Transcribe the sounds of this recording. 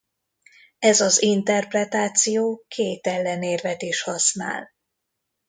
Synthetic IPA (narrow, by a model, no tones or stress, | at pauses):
ɛzɒzint̪ɛrprɛt̪aːt̪sijoːkʰeːt̪ɛlːɛneːrvɛd̪eːʃhɒsna̰ːl